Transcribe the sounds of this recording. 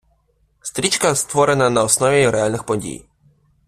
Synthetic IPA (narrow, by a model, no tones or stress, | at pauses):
st̪ɾʲit͡ʃkɐst̪ʋɔɾenɐnɐɔsnɔʋʲiɾɛalʲnɪxpɔdʲḭj